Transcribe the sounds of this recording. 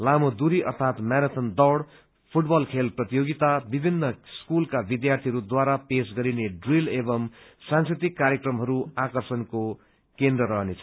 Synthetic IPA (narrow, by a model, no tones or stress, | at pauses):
lamod̪uɾiʔʌ̰rt̪ʰat̪maɾat̪ʰʌnd̪ʌwɽ | pʰuʈbʌlkʰelprʌt̪ijoɡit̪abibʱinːʌskulkabid̪jart̪ʰiɦʌɾud̪waɾapesɡʌɾineɖrilebʌm | sãnskrit̪ikːaɾjekrʌmɦʌɾuakʌrsʌnko | kend̪rʌɾʌɦnet͡sʰʌ